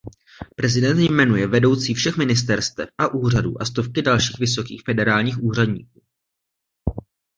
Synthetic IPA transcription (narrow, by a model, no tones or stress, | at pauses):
pɾɛzɪdɛnt̪jmɛnujɛvɛdo̞wt͡siːfʃɛxmɪnɪst̪ɛɾst̪ɛp̚ʔaʔuːr̝adṵːʔast̪o̞fkɪdalʃiːxvɪso̞kiːxfɛdɛɾaːlɲiːxuːr̝adɲḭːk̚uː